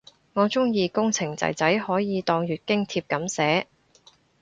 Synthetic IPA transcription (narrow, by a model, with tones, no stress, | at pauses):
ŋɔː˨˧t͡sʊ˥ŋjiː˨˧kʊ˥ŋt͡sʰɪ˨˩ŋt͡sɐ̰˨˩jt͡sɐ˨˥jhɔː˨˥jiː˨˧t̪ɔː˧ŋɥyː˨t̚kɪ˥ŋt̪ʰiː˧p̚kɐ˨˥msɛː˨˥